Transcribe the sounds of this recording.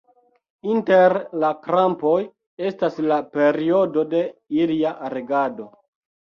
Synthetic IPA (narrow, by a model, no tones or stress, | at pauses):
inte̞ɾlakɾampo̞j | e̞staslape̞ɾio̞do̞de̞iliaʔaɾeɡado̞